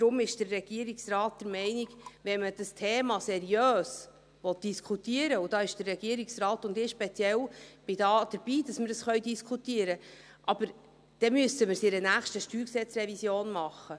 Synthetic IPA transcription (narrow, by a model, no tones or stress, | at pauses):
d̥ɾʊmɪʃd̥ərːɛɡ̥iəɾiksrɑːt̚d̥̪əɾmɛɪniɡʋɛnməd̥əstʰeːmɑsɛɾiøːs | ʋɔt̚d̥iskʰutiəɾəʊd̥ɑːɪʃd̥ərːɛɡiəɾiksrɑːtʊndɪʃpɛt͡sjɛlb̥ɪdɑːd̥əɾb̥iːd̥ɑsməɾdəsχœɥdiskʰut̪iəɾə | ʔɑb̥əɾ | d̥ɛmyəsəməɾsɪɾənæːχʃtəʃtyːksɛt͡srɛvisjoːnmɑχːə